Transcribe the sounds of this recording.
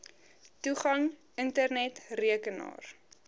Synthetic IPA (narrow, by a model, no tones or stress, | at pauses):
tuχɐŋ | əntərnɛtriəkənɑ̰ːr